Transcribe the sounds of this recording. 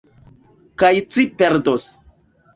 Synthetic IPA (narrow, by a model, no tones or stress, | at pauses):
kajt͡sipeɾdos